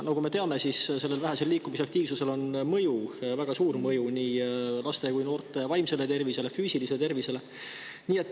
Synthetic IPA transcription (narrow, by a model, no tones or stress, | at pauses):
nɑkume̞t̪e̞ɑme̞sisse̞lːelvæɦese̞lːiːkːˑumiseɑk̚t̪iːvsuse̞lo̞nmɤjuvæɡ̥ɑsuːrmɤjuniːlɑst̪e̞kujno̞ːrt̪ˑe̞vɑjmse̞le̞t̪e̞rvise̞le̞fyːsiliselet̪e̞rvise̞le̞ | niːet̪ːˑ